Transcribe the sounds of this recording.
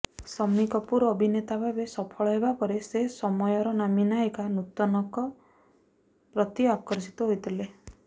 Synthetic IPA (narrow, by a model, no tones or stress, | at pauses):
sɔmnikɔpuɾɔbʱinet̪abʱabesɔpʰɔɭɔɦebapɔɾesesɔmɔjɔɾɔnaminaekanut̪ɔnɔkɔ | pɾɔt̪iakɔɾsi̥t̪ɔɦojt̪ʰile